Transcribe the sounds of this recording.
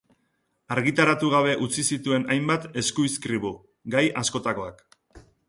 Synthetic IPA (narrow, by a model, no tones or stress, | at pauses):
aɾɣit̪aɾat̪uɣ̞aβ̞e̞ʔut͡sisit̪ue̞najmbat̪e̞skuiskɾiβu | ɡajʔasko̞t̪ako̞ak